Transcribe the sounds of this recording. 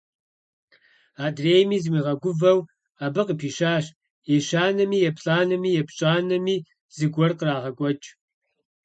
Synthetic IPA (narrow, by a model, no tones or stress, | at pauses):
aːdreːjmiːzɨmiːʁɐɡʷʊvɐw | abɨqəpʰiːʃaːɕ | iʃaːnɐmiːjɛpɬʼaːnɐmiːjɛpt͡ʃʼaːnɐmiː | z̥ɨɡʷɔrqəraːʁɐɡʷʼɔt͡ʃʼ